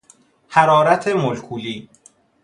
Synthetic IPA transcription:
hæɾɒːɾæt̪ʰemolkʰuːliː

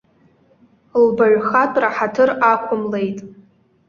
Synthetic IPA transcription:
lbaɥχatʰʷʼraħatʰɨrakʷʰʊmle̞jtʼ

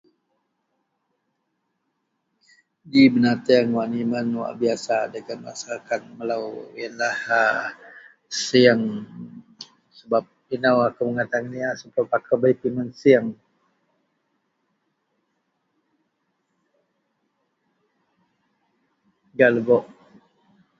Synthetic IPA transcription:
dibənat̪əaŋwanimənwa̰ʔbiasadəɡana̰salkat̪̚məlawjənlaha | siaŋ | səbap̚inawakaməŋat̪aŋaniasəbapakabaipimənsiəŋ | ɡaləbɔʔ

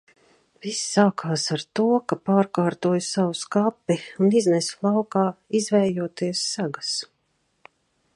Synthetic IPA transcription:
v̥issaːkʰaːsaɾt̪uɔkapaːɾkaːɾt̪uɔjsawuskapːiuniznɛslˠɑwkaːizvɛjjuɔt̪iɛsːaɡas

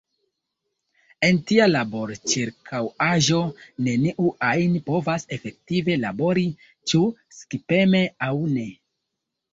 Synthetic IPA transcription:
e̞ntialabo̞ɾt͡ʃiɾkʰawaʒo̞ne̞niʔuʔajnpo̞vase̞fe̞k̚tive̞labo̞ɾi | t͡ʃuskipe̞me̞awne̞

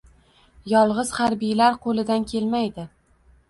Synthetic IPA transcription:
jɒlˠʁɨz̥haɾbijlaɾqʰolˠɪd̪ankʲʰe̞lmajd̪ɪ

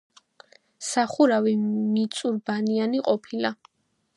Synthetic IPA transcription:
saχuɾavimit̪sʼuɾbanianiqʼɔpʰila

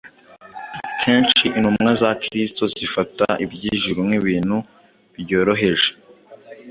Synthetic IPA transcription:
kʰe̞ːnʃiʔinhummŋazakɾisto̞zifataibɟiːʒuɾumŋiβiːn̥hu | βiɟo̞ːɾo̞ɦe̞ʒe

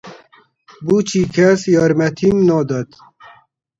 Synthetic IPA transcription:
but͡ʃʰikʰɛsjɑːɾmɛt̪ʰimnɔːd̪ɐt̪

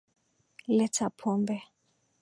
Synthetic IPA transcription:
lɛtʰapʰɔːmbɛ

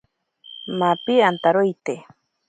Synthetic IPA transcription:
mapiant̪aɾojt̪e

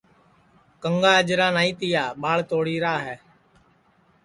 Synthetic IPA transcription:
kəŋɡaːəd͡ʒɾaːnaːĩːt̪ɪjaːɓaːɭt̪oːɽiːɾaːɦɛː

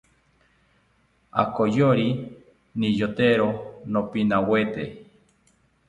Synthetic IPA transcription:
a̰kojoɾi | nijot̪eɾonopinawet̪ḛ

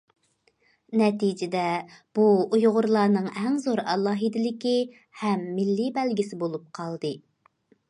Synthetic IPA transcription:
nɛt̪id͡ʒɪd̪ɛb̥uujʁʊɾlˠɑːnɨŋɛŋzoɾɑlˠɑːɦid̪ɪlɪkʲi | hɛmːɪlːibɛlɡʲisɪbolˠup̚qʰɑlˠd̪ɨ

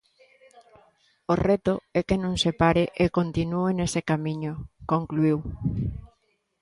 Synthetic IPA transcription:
oret̪ʊɛkenõŋsepaɾeʔekont̪inuenesekamĩɲokoŋkluiw

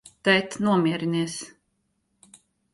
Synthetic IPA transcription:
t̪ɛjt̪nuɔmiɛɾiniɛs

